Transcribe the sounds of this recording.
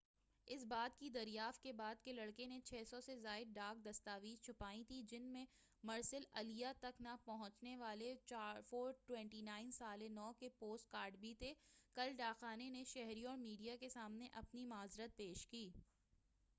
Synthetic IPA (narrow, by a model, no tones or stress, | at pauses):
ɪsbaːd̪̚kid̪ɐɾijaːft̪̚kebaːd̪kelɐɽkenet͡ʃʰɛːsɔsezaːɪd̪̚ɖaːk̚d̪ɐst̪aːʋiːzt͡ʃʰʊpaːĩt̪ʰid͡ʒɪnmẽ | mɐɾsɪlɐlijat̪ɐknapɐɦʊ̃t͡ʃneʋaːleafoːɾʈwɛ̃ɳʈinaːɪnsaːlenɔːkepoːsʈ̚kaːɾɖbʱit̪ekɐlɖaːxaːneneʃɛɦɾiɔːɾmiːɖijakesaːmneʔɐpnimaːzɾət̪̚peːʃkiː